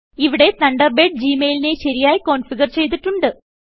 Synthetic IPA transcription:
iʋiɽe̞t̪ɐɳɖɐrbeːɖ̚d͡ʑiːmeːlineɕɐɾijaːjiko̞ːnfiɡɐrt͡ɕe̞jt̪̬iʈːuɳɖɨ

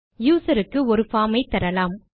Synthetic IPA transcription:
juːsɐɾɯkːɯɔɾɯfaːmɐɪt̪ːɐɾɐlaːm

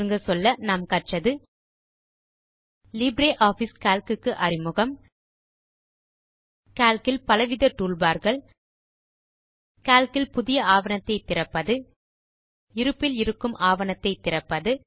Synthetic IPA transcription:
ɯŋɡɐsɔlːɐnɐmkɐʈrɐðɯ | lɪbɾeːʔaːfiskaːlkɯkːɯʔɐrɪmɯɣɐm | kaːlkɪlpɐlɐʋɪðɐʈːuːɭbaːɾɣɐɭ | kaːlkɪlpʊðɪjɐaːʋɐnɐt̪ːɐɪt̪ːɪrɐpːɐðɯ | ɪɾɯpːɪlɪɾɯkːɯmʔaːʋɐnɐt̪ːɐɪt̪ːɪrɐpːɐðɯ

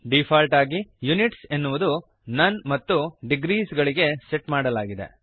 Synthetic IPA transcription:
ɖipʰaːlʈaːɡijuniʈsenːuʋud̪u | nɐnmɐt̪ːuɖiɡɾiːsɡɐɭiɡe̞seʈmaːɽɐlaːɡid̪ḛ

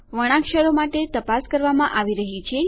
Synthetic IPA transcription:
ʋəɽ̃ãkʃəɾomaʈet̪əpaskəɾʋamãʔaʋiɾəɦit͡ʃʰe

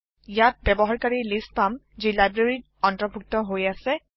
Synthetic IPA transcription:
jat̚bɛbɔɦaɹkaɹilist̚pam | zilajbɹaɹi | ɔntɔbʱuk̚tɔɦojasɛ

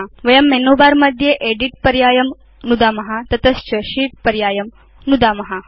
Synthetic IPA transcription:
ʋɐjɐmːenoːbaːɾmɐd̪ʱjeʔeːɖiʈ̚pɐɾjaːjɐm | nud̪aːmɐɦat̪ɐt̪ɐst͡ʃɐʃiːʈ̚pɐɾjaːjɐm | nud̪aːmɐɦa

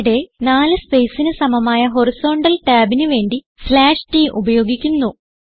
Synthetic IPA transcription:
ɽe̞naːlɨspejsinɨsɐmɐmaːjɐɦo̞riso̞ːɳɖɐlʈaːbinuʋe̞ːɳɖi | slaːʂʈiːʔubɐjo̞ːɡikʲːunːu

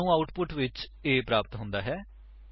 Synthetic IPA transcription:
ũːaːʊʈpʊʈʋɪt͡ʃeːpɾaːpət̪ɦʊ̃nd̪aːɦɛː

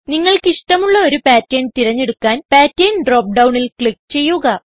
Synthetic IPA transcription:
niŋːɐɭkiʂʈɐmuɭːɐo̞ɾupaːtːeːnt̪iɾɐɲːe̞ɽukːaːnpaːtːeːnɖroːp̚ɖɐwɳilkɭikːt͡ɕe̞jːuɣɐ

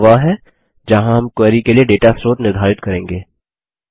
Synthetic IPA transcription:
ʋaɦɛ | d͡ʒɐɦãɦɐmkwɛːɾikelieɖeːʈasɾoːt̪nɪɾd̪ʱaːɾɪt̪̚kɐɾẽːŋɡeː

